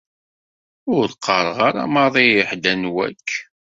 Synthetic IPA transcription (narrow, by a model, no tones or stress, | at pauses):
ʊɾðqʰːəɾˤʁaɾa̰mɑðˤijɪħd̪ænwæ̰kː